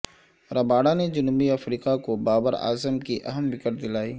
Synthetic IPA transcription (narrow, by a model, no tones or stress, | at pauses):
ɾɐbaːɽaned͡ʒʊnbiɐfɾiːkakobaːbəɾa̰ːzəmkiʔɐɦəmʋɪkəʈ̚d̪ɪlaːiː